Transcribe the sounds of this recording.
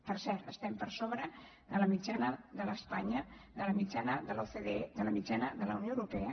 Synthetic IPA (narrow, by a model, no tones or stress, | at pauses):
pəɾsɛɾt̪əst̪ɛmpəɾsoβɾə | ðələmid͡ʒanəðələspaɲəðələmid͡ʒanəðəlofeðeðələmid͡ʒanəðələ̰unjoəwɾupɛə